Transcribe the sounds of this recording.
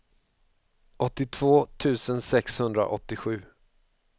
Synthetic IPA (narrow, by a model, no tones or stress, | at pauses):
ʔɔt̪ːɪt̪ʰv̥oːt̪ʰʉ̟ːsənsɛkshɵnd̪ɾa̰ʔɔ̰t̪ːɪɧʉ̟ː